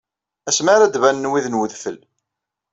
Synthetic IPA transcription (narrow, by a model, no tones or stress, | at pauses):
æsmaɾæd̪vænːwiðnwəðfəl